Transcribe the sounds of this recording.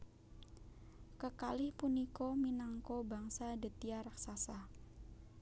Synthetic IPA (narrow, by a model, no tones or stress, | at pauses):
kəkalɪhpunikominaŋkobaŋsadət̪iaɾaksasa